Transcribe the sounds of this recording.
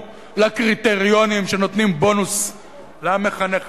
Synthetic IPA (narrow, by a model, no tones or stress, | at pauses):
lakʁit̪eʁio̞nimʃe̞no̞t̪nimbo̞nus | lame̞χaneχ